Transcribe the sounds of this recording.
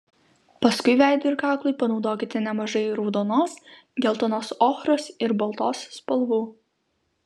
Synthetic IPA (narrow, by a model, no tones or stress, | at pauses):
pɐskʊɪʋʲæˑɪd̪oɪɾkɑːklˠʊɪpɐnɒʊd̪oːkʲɪt̪ʲɛnʲɛmɐʒɐɪɾɔʊd̪oːnoːs | ɡʲɛlˠt̪oːnoːsoːxɾoːsɪɾbɐlˠt̪oːsspɐlˠʋuː